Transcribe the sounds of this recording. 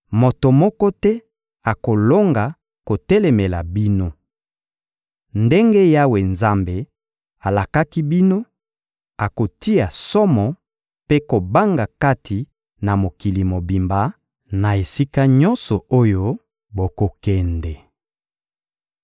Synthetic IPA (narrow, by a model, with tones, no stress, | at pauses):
mo˨to˨mɔ˦kɔ˦tɛ˦ | a˨ko˨lo˦ŋɡa˨ | ko˨tɛ˦lɛ˨me˨la˨bi˦no˦ | nde˦ŋɡe˦ja˦we˨nza˦mbe˨ | a˨la˨ka˦ki˦bi˦no˦ | a˨ko˨ti˦a˨sɔ˦mɔ˨ | pe˦ko˨ba˦ŋɡa˨ka˦tʰi˨ | na˨mo˨ki˨li˨mo˨bi˨mba˨ | na˨e˨si˦ka˦ɲɔ˦nsɔ˨o˦jo˦ | bo˨ko˨kɛ˨ndɛ˨